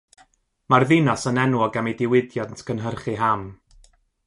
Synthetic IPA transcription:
marðɪnasənɛnwɔɡamidɪwɪdjadntʰkʰənɦərχiɦam

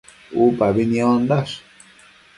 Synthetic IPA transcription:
upaβinĩond̪as

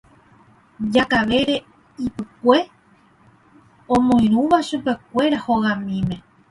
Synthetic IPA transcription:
d͡ʒakaʋe̞ɾe̞ | ipɨkʷe | õmõij̃ɾ̃ũʋaʃupe̞k̚ʷe̞ɾahoɣamĩmẽ̞

